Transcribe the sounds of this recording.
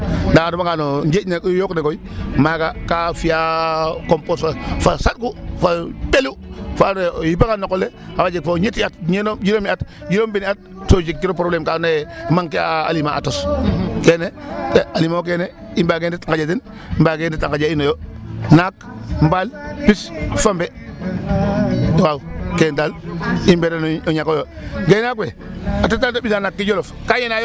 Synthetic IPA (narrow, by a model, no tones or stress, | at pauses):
ndaadubaŋanoɲd͡ʒenekjoknekoimaɡakafijakomposfafasat̚kufabelufanjipaŋanokoleawad͡ʒik̚foɲetiatɲenomd͡ʒinomiatd͡ʒiɾombiniat̚tod͡ʒik̚kiɾopɾoblemkanojmaŋkea̰ːlimaatoskeːnedealimaok̬ene | imbaɡenditaŋkad͡ʒat̬in | mbaɡenditaŋkad͡ʒainojonak | m̩balpisfambe | dowawkentalimbeɾanoɲakojo | ɡenakwe | atotantobinanakːid͡ʒolofkajenaj